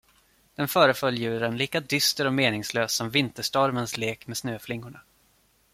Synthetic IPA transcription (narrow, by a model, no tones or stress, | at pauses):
d̪̥ɛnfœːɾəfœljjʉ̟ːɾənliːkad̪ʏst̪əɾɔmeːnɪŋsløːsːɔmvɪnt̪əʂʈɔɾmənsleːkmeːsnøːflɪŋːʊɳa